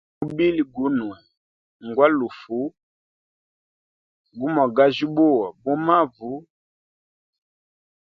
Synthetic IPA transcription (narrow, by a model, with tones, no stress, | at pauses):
u˦bi˦li˨ɡu˨˦nu˨ɛ˨ | ŋ˨ɡwa˦lu˨fu˦ | ɡu˦mɔ˨ɡa˦ʒi˦bo˦˨wɔ˨bo˦ma˦vu˨˦